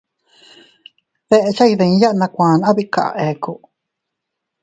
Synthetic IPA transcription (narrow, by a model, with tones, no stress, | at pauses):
ðe˧ʔe˧t͡ʃa˦iðẽ˧˦ja˦ʔnã˧kʷãː˨na˦βiʔka̰˨ʔa̰˧ʔe˨ku˧˨ʔ